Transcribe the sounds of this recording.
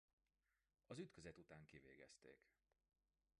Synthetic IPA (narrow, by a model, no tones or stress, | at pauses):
ɒzyt̪køzɛt̪ut̪aːŋkiveːɡɛ̰st̪ḛːk